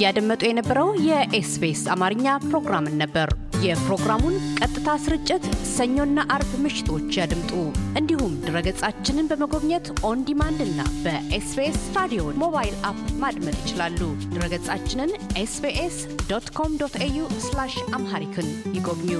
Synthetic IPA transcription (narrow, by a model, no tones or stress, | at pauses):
jad̪əmːət̪ʼujɛnəbːəɾəwjɛʔesbesamaɾɨɲːapɾo̞ɡɾamɨnːəbːəɾjɛpɾo̞ɡɾamunkʼət̪ʼːɨt̪ʰasɨɾɨt͡ʃʼːɪt̪səɲːo̞nːaʔaɾbmɨʃɪ̥t̪ʰo̞t͡ʃːjad̪ɨmt̪ʼuʔɨnd̪ihumd̪ɨɾəɡət͡sʼat͡ʃːɪnɨnbəməɡo̞βɲɛt̪ʔo̞nd̪imand̪ɨnːa̰bəʔesbesɾad̪ijo̞mo̞βajilapmad̪mət̪jɪt͡ʃɪlalːud̪̥ɨɾəɡət͡sʼat͡ʃːɪnɨnʔesbeʔes | d̪ot̪kʰo̞md̪ot̪ʰejuslaʃʔamhaɾikʰɨnjɪɡobɲu